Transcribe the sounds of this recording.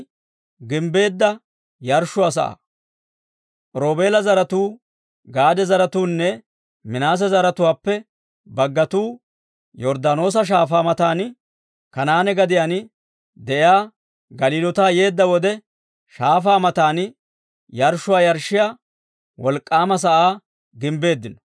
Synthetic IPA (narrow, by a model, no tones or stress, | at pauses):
ɡɪmbe̞ːd̪ːɐ | jɐɾʃːʊɐs̬ɐ̰ʔɐ̰ | ɾo̞ːbe̞ːlɐzɐɾɐt̪uː | ɡaːd̪ɛzɐɾɐt̪uːnːɛ | mɪnaːs̬ɛzɐɾɐt̪ʊwaːpːɛ | bɐɡːɐt̪uː | jɔɾd̪ɐno̞ːs̬ɐʃ̬aːfaːmɐt̪aːn | kɐnaːnɛɡɐd̪ɪjaːn | d̪ɛʔjaː | ɡɐliːlɔt̪aːje̞ːd̪ːɐwɔd̪ɛ | ʃaːfaːmɐt̪aːn | jɐɾʃʊwaːjɐɾʃːɪja | wɔlkʼːaːmɐs̬ɐʔaː | ɡɪmbe̞ːd̪ːɪnɔ̥